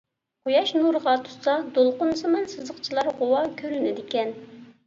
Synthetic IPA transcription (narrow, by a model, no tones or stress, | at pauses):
qʰojɑʃnuɾʁɑt̪ʰu̥sɑd̪olˠqʊnsɨmɨnsɨzəqt͡ʃʰilˠɑɾʁowɑkʲʰøɾynɪd̪ɪkʲɛn